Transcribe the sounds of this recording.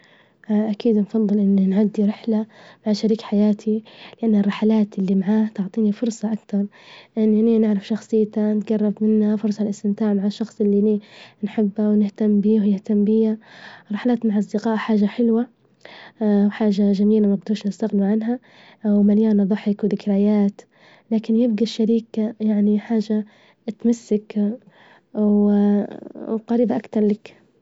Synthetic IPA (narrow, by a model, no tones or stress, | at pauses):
ʔʔakiːd̪nfɑðˤːɨlʔɪnːanʕad̪ːiɾɪħlamaʕʃaɾiːkħajaːt̪ʰilɪʔanːarˤːɪħalaːt̪ʔɪlːimaʕaːht̪ʊʕt̪ˤiːnifʊɾsˤɑʔakt̪ɑɾˤ | ʔɪnːninɪʕɾɑfʃɑxsˤɨjːt̪anɪt̪ɡɑrˤːɑbmɪnːafʊɾsˤɑlʔɪst̪ɪmt̪aːʕmaʕaʃːɑxsˤɪlːininħɪbːawnɪht̪amːbiːhjɪht̪amːbɪjaɾˤɑħalaːt̪maʕʔɑsˤd̪ɪqɑːʔħaːʒaħɪlwa | wħaːʒaʒamiːlamaɡ̚d̪uɾʃnɪst̪aɣniʕanɦa | wmaljaːnːðˤɑħɪkwd̪ɪkɾajaːt̪ | laːkɪnjɪb̚ɡaʃːaɾiːkajaʕniħaːʒa | t̪masːak | w | wqɑɾiːbaʔakt̪ɑɾˤlak